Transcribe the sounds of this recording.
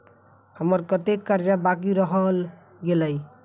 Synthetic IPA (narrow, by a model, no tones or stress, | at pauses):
həməɾkət̪ekːaɾd͡ʒabak̬iɾəɦəl | ɡeləj